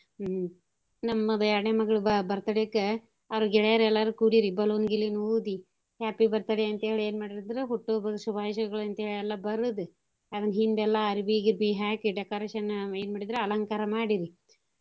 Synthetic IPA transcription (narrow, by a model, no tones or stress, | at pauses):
nɐmːɐd̪ɛɾɐɳeːmɐɡɐɭubɐɾt̪aɽeɐkːe | ɐʋɾuɡɛɭɐjaɾɛlːaɾukuɽiɾibɐluːnɡilːinuːd̪i | haːpibɐɾt̪aːɽeɐnt̪ɐɦeːɭieːnmaːɽiɾid̪ɾeɦuʈːubɐd̪subʱaːʋiːʃɐɡɐɭɐnt̪ɐɦeːɭiɛlːɐbɐɾud̪u | ɐd̪ɐnːɐɦind̪ɛlːɐɐɾibiɡiɾbiɦaːkɖekɐɾeːʃɐneːnmaːɽid̪ɾeɐlɐŋkaːɾɐmaːɽiɾi